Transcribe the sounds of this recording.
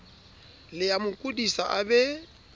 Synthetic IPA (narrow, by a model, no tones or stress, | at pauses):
lɪamʊkʼudisa̰ʔabɛ